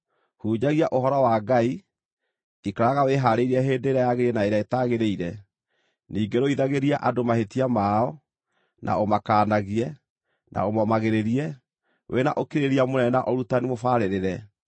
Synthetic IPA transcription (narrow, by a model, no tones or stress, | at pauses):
huːd͡ʑaɣiaʔohɔɾɔwaːɡai | ikaɾaɣaweɦaːɾeiɾɛɦeːndeːɾajaɣeɾiɛnaeɾaetaɣeɾeiɾɛ | niːɡeɾoiðaɣeɾiaʔadomahetiamaːɔ | nʔa̰omakaːnaɣiɛ | nʔa̰omɔmaɣeɾeɾiɛ | wʔena̰ʔokeɾeɾiamonɛnaʔɔɾutanimofaːɾeɾeɾɛ